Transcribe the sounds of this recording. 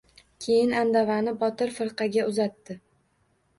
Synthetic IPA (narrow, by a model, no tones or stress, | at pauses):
kʲʰe̞jɪnand̪avanɪbɒt̪ɪɾfɪɾqʰɑɡʲaʊzat̪ːɪ